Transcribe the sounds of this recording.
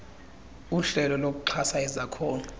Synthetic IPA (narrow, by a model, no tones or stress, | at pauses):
uɬɛlɔlok̬uǃʰasaɛzakʰɔːna